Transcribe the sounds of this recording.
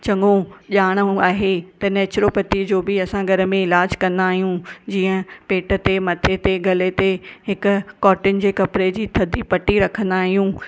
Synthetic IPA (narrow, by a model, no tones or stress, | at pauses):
t͡ɕɐŋõʄaːɽ̃aːɦet̪ɐnɛːt͡ɕɾopɐt̪id͡ʑoːbɪɐsãɡʱɐɾə̆mẽɪlaːd͡ʑkɐ̃nd̪aːɦijũd͡ʑiːə̃peːʈə̆t̪emɐt̪ʰet̪eɡʱɐlet̪eɦɪkʊ̆kːɔːʈɪnɪ̆d͡ʑeːkɐpɾed͡ʑiːt̪ʰɐd̪ʱipɐʈiɾɐkʰə̃nd̪aːɦijũ